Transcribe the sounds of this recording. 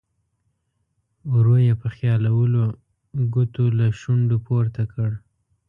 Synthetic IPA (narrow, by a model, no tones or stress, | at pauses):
ɾojepəxjɑlawəlo | ɡʊt̪olaʃuɳɖopoɾt̪akəɽ